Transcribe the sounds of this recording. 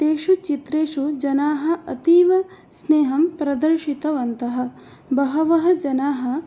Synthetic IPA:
t̪eːʂut͡ʃit̪ɾeːʂud͡ʒɐnaːɦɐ̆ʔɐt̪iːʋɐ | sneːɦɐmpɾɐd̪ɐɾʃit̪ɐʋɐnt̪ɐɦɐ̆ | bɐɦɐʋɐɦɐ̆d͡ʒɐnaːɦɐ̆

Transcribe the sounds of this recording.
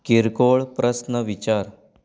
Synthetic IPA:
kiɾkoɭpɾəsnəʋit͡ɕaɾ

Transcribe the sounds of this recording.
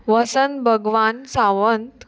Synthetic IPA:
ʋəsənbʱəɡʋansaʋənt̪

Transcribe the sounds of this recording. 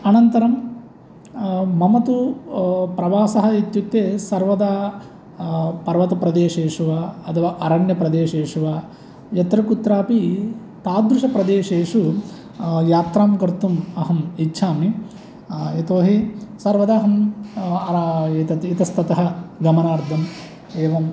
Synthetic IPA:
ɐnɐnt̪ɐɾɐm | ɐmɐt̪u | pɾɐʋaːsɐɦɐ̆it̪jut̪ːeːsɐɾʋɐd̪a | pɐɾʋɐt̪ɐpɾɐd̪eːʂeːʂuʋaɐt̪ʰɐʋaːʔɐɾɐɳjɐpɾɐd̪eːʂeːʂuʋa | jɐt̪ɾɐkut̪ɾaːpi | t̪aːd̪ɾuʂɐpɾɐd̪eːʂeːʂu | jaːt̪ɾaːmkɐɾt̪umɐɦɐmitːʃʰaːmi | et̪oːɦisɐɾʋɐd̪aːɦɐmɐet̪ɐt̪it̪ɐst̪ʰɐt̪ɐɦɐ̆ɡɐmɐnaːɾd̪ʱɐm | eːʋɐm

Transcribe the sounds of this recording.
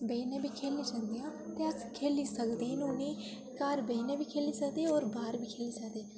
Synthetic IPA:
bəiːnẽːbʱiːkʰeːlĩːd͡ʒə̃nd̪ijãːt̪eːəskʰeːliːsəkd̪eːnoːniː | kaːɾbəinẽːbʱiːkʰeːliːsəkd̪eːɔːɾbaːɾbʱiːkʰeːliːsəkd̪eː

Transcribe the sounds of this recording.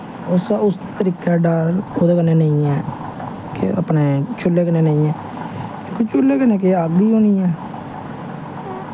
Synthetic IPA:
ʊsaʊs | t̪əɾiːkaːɖaːɾoːd̪eːkənːeːnəĩːɛː | kḛa̰pneːt͡ʃʰʊlːeːkəneːnəĩːɛː | ekut͡ʃʰʊlːeːkənːẽːk̬eaːɡd̪iːoːniːɛː

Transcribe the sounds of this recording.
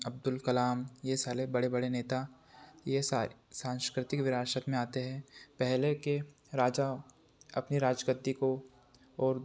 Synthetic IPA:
ɐb̚d̪ʊlkɐlaːmjesaːɾebɐɽebɐɽeneːt̪a | jesasãːnskɾɪt̪ɪkʋɪɾaːʃət̪mẽaːt̪eɦɛ̃pɛɦleke | ɾaːd͡ʒa | ɐpniɾaːd͡ʒɡət̪ːiko | ɔːɾ

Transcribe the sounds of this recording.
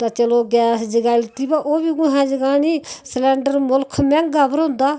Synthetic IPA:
t̪aːt͡ʃəloːɡɛːsd͡ʒəɡaːɪlt̪iːbaːʔoːbiːkʊɦãːd͡ʒəɡaːniːslɛ̃ːɳɖəɾmʊlkʰmɛ̃ːŋɡaːpəɾɦʊ̃nd̪aː

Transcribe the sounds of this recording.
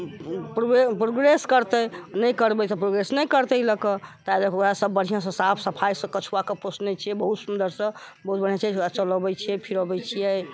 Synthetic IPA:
pɾoepɾoɡɾeskəɾt̪əjnəjkəɾbɛt̪ɔpɾoɡɾesnəjkəɾt̪ələkət̪alekʰasəbːəɽ̤ijãs̬ə̃sapʰsəpʰajsə̃kət͡ʃʰuakeposnɛjt͡ʃʰijɛbəɦut̪sund̪əɾsə̃bəɦut̪̚bəɽ̤ijat͡ʃat͡ʃələbɛt͡ʃʰiɛpʰiɾobɛt͡ʃʰijɛ

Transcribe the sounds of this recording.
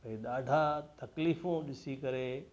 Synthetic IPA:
ĩɗ̪aːɖʱãt̪ɐkliːfõɗɪsikɐɾeː

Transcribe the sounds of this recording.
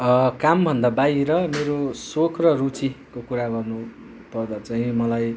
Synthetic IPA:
kambʱʌnd̪abaijɾʌmeɾosokʰrʌrut͡sikokuɾaɡʌrnu | pʌrd̪at͡saĩmʌlaj

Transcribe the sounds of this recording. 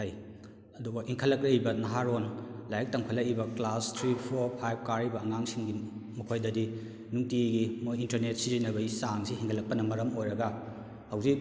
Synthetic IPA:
haj | ɐduɡɐʔiŋkʰɐlːɐkɾeibɐnɐɦaɾonlajɐk̚tɐŋpʰɐlːɐkibɐklastʰɾipʰoɾpʰajb̚kaɾibɐːŋaŋsiŋɡimɐkʰojdɐdi | nuŋtiɡimojintɐɾnet̚sizinɐbɐisaŋsihiŋɡɐlɐk̚pɐnɐmɐɾɐmojɾɐɡɐ | hawzik̚

